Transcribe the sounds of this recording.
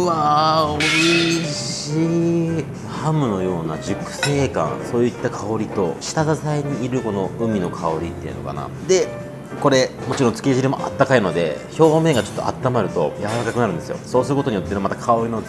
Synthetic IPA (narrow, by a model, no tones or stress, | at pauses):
ɯβaoɾiɕi | hamɯ̟no̞jo̞ːna̰d͡ʑɨkɯ̟̥se̞ːkã̰ñso̞ːit̪ːakʰao̞ɾʲit̪o̞̰ɕi̥t̪azasaiɲ̟iːɾɯ̟ko̞no̞ɯ̟mʲino̞kʰao̞ɾʲit̪ːe̞iɯ̟noka̰na̰ | d̪e̞ | ko̞ɾe̞mo̞t͡ɕiɾõ̞nt͡sɨ̥kʲiʑiɾimo̞ʔa̰t̪ːakaino̞d̪e̞̰ço̞ːme̞ːɡat͡ɕo̞t̪ːoʔa̰t̪ːamaɾɯ̟t̪o̞̰jaβaɾakakɯnaɾɯ̟̃nd̪e̞sɨjo̞̰so̞ːsɨɾɯ̟kooɲijo̞t̪ːemat̪akʰao̞ɾino